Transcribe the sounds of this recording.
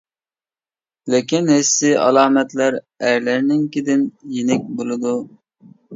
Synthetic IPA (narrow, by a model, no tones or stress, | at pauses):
lɪkʲinhɪsːɪɑ̰lˠɑːmɛt̪læɾ | æɾlæɾnɪŋkʲɪd̪ɪnjenɪk̚ʲbolˠɨd̪u